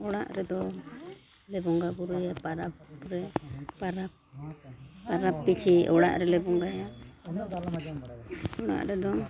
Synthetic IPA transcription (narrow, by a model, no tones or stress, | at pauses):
ɔɽaʔɾɛd̪ɔ | lɛbɔŋɡabuɾujapaɾapɾɛpaɾap | paɾapːit͡ʃʰiɔɽa̰ʔɾɛlɛbɔŋɡaa | ɔɽa̰ʔɾɛd̪ɔ